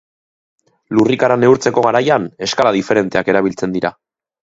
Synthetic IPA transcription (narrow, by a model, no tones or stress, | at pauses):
lurikaɾane̞uɾt͡se̞ko̞ɣaɾajane̞skalaðife̞ɾe̞nt̪e̞ake̞ɾaβ̞ilt͡se̞nd̪iɾa